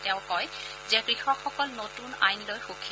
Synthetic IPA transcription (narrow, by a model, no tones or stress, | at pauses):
tɛʊ̃kɔj | zɛkɹixɔkxɔkɔlnotuna̰jnlojxokʰi